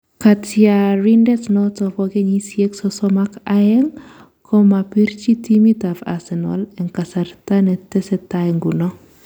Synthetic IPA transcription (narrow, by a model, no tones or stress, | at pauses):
katjaɾindɛtnɔtɔpɔɡɛɲisjeksɔsɔmakajɛŋ | kʰɔmapiɾt͡ʃitimitava̰sɛnɔ̰lɛŋkasaɾtanɛtɛsɛtaɛŋɡunɔ